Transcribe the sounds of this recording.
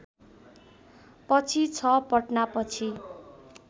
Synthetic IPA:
pʌt͡sʰit͡sʰʌpʌʈnapʌt͡sʰi

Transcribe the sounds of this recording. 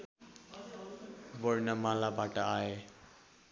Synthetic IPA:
bʌɽnʌmalabaʈʌae

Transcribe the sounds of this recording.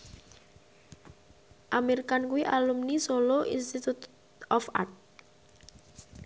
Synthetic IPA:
ʔameɾikankuwiʔalumnisoloʔḭnst̪it̪ut̪ | ɔfa̰rt̪̚

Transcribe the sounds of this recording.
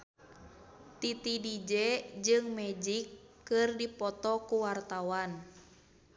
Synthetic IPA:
t̪it̪idid͡ʒɛd͡ʒɨŋmɛd͡ʒikː | ɨrdipɔt̪ɔkuwart̪awan

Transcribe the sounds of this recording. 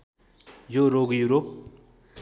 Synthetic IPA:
joɾoɡjuɾop̚

